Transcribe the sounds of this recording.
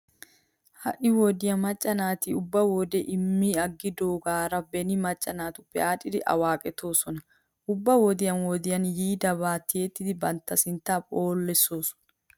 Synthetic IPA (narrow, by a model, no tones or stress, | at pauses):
hɐ̰ʔɪwɔd̪ɪjɐmɐt͡ʃʼːɐnaːt̪ɪʊbːɐwoːd̪ɛʔɪmːiːɐɡːɪd̪oːɡaːɾɐbɛnɪmɐt͡ʃʼːɐnaːt̪ʊpːɛaːᶑɪd̪ɪʔɐ̰waːkʼɛt̪o̞ːsɔnɐ | ʔʊbːɐwɔd̪ɪjɐnwɔd̪ɪjɐnjiːd̪ɐbaːt̪ːɪjet̪ːɪd̪ɪbɐnt̪ːɐsɪnt̪ːaːpʼoːlːɛso̞ːsɔ̥nɐ̥